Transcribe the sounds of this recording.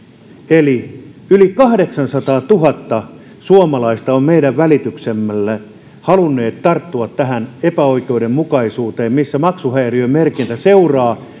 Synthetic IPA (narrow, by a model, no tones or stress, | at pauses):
eli | ylikɑhdeksɑnsɑt̪ɑːt̪uɦɑt̪ːɑ | suomɑlɑist̪ɑommeiɾæʋʋælit̪yksemːælːæ | hɑlunːeːt̪t̪ɑrt̪ːuɑt̪tæhænepæoikeudemmukɑisuːt̪eːmmisːæmɑksuhæeriommerkint̪æseurɑː